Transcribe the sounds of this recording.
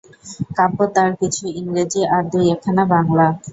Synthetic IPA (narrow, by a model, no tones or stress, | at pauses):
kapot̪aɾkit͡ʃʰuiŋɾed͡ʒiaɾd̪ujɛkʰanabaŋla